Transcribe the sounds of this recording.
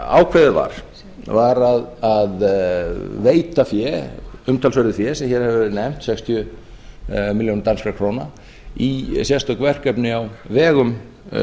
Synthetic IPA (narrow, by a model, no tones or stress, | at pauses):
a̰ːwkʰvɛðɪva̰ɾ̥ | vaɾaðað | veːjt̪afjɛʏmt̪ʰalsœɾðɪθfjɛsɛmçɛɾ̥hɛvnɛm̥t̪sɛkst̪ʰjʏ | miljownɾt̪anskɾaɾkʰɾoːwna | isjɛst̪ɔkvɛr̥kɛpnɪawvɛːɣʏm